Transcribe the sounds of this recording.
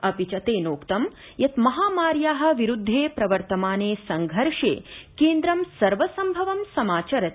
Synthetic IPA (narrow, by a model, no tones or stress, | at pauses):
ɐpit͡ʃɐt̪eːnoːkt̪ɐm | jɐt̪mɐɦaːmaːɾjaːɦɐ̆ʋiɾud̪ʱːeːpɾɐʋɐɾt̪ɐmaːneːsɐŋɡʱɐɾʂḛːkeːnd̪ɾɐmsɐɾʋɐsɐmbʱɐʋɐmsɐmaːt͡ʃɐɾɐt̪